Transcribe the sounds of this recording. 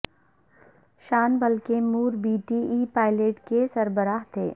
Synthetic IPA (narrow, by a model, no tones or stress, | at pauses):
ʃaːnbɐlkemuːɾbiːʈiiːpaːɪleːʈkesɐɾbəɾaːɦt̪ʰḛː